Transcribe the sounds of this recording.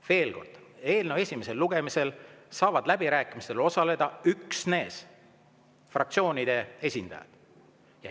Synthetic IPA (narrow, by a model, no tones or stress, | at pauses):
ve̞ːlko̞rd̪̥e̞ːlnewe̞sʲime̞se̞lːuɡ̥e̞mise̞lsɑːvɑd̪̥læbiɾæːkˑimist̪elo̞sɑle̞d̪̥ɑyksne̞ːs | frɑk̚t̪sio̞ːnid̪̥e̞e̞sʲind̪̥ɑ̰jɑ̰d̪̥ | jɑ